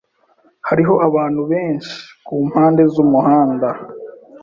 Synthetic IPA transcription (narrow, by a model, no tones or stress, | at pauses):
haɾiɦo̞ʔaβaːn̥huβe̞ːɲʃi̥kuːm̥haːnde̞zumuɦaːnda